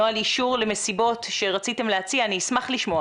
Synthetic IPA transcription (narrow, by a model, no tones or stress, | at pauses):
oaliʃʃuʁle̞me̞sibo̞tʃe̞ʁat͡site̞mleat͡siaːniːsmaχliʃmo̞a